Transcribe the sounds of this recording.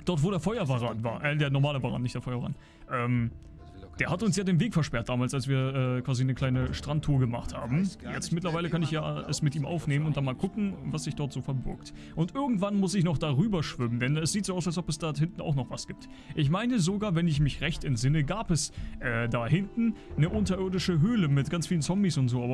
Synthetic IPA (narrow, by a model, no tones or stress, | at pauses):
d̥ɔɐtv̥oːɾeːɐfɔʏɐvaʁanva̰ːɐʔɛdeːɐnɔɐmaːləvaːʁa̰nːɪçtd̥eːɐfɔʏɐvʁa̰n | ʔɛːm | d̥eːɐhatʊnsjaːdeːnveːkfɛɐʃpɛɐt̚d̥aːmaːlsalsv̥iːɐʔɛːkv̥aːzinəkʰl̥aɪnəʃtʁ̥antʰːuːɐɡəma̰χtha̰ːbm̩jɛt͡stmɪtlɐvaɪləkanɪçjaːɛ̰smɪtʔiːmʔa̰ʊfneːmənʊntd̥anmaːlkʰʊkŋ̩vasz̥ɪçd̥ɔɐtz̥oːfɛɐbɪ̰ɐkt | ʔʊntʔɪɐɡŋ̩tv̥anmʊsɪçnɔχd̥aːʁyːbɐʃv̥ʏməndɛnɛsz̥iːtz̥oːaʊsals̬ɔpɛsd̥ahɪntn̩a̰ʊxnɔχv̥asɡ̥iːp̚t | ʔɪçmaɪnəzoɡaːɐvɛnɪçmɪçʁɛçtɛntz̥ɪnəɡaːpɛsʔɛːdaːhɪntn̩nəʔʊntɐʔɪɐdɪʃəɦøːləmɪt̚ɡ̥ant͡sfiːlənt͡sɔmbisʊntz̥oːʔaːbɐ